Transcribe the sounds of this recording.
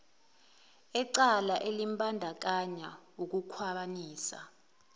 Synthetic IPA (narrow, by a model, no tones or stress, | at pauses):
ɛǀalaʔelimbʱʼandʱak̬aɲauk̬ukʰwaɓaniːsa̰